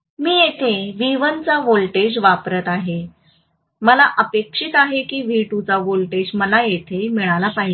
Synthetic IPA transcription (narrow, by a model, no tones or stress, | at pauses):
miːjet̪ʰeʋiʋənt͡saʋolʈed͡ʑʋapɾət̪aɦe | məlaʔəpekʂit̪aɦekiːʋiʈut͡saʋolʈed͡ʑməlajet̪ʰemiɭalapaɦi